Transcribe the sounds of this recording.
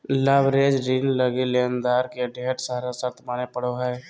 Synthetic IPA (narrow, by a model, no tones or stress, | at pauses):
ləːbɾeːd͡ʒɾinləɡileːnd̪aːɾkeɖʱeːʈsaːɾasəɾt̪ʰmaːnepəɽ̤oɦɛː